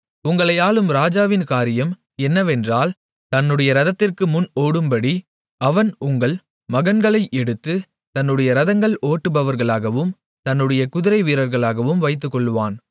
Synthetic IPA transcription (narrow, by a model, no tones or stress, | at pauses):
ʊŋɡɐɭɐjaːlɯmɾaːd͡ʒaːʋɪnkaːɾɪjɐm | ɛnːɐʋɛndraːl | t̪ɐnːɯɽɐjɐɾɐðɐt̪ːɪrkɯmʊnoːɽɯmbɐɽi | ɐʋɐnʊŋɡɐɭ | mɐɣɐnɡɐɭɐɪʔɛɽɯt̪ːɯ | t̪ɐnːɯɽɐjɐɾɐðɐŋɡɐɭʔoːʈːɯpɐʋɐɾɣɐɭaːɣɐʋɯm | t̪ɐnːɯɽɐjɐkʊðɪɾɐɪʋiːɾɐɾɣɐɭaːɣɐʋɯmʋɐɪt̪̬ːɯkːɔɭːɯʋaːn